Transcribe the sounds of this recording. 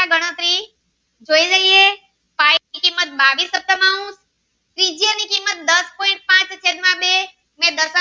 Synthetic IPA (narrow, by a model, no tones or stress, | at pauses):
aɡəɽ̃ə̃t̪ɾi | d͡ʒoːid͡ʒəie | paːikimːət̪̚baːʋisəp̚t̪əmãɦũs | t̪ɾid͡ʒijənikimːət̪̚d̪əspoːɪ̃ɳʈ̚pãːt͡ʃt͡ʃʰed̪mãbe | mẽd̪əɾsə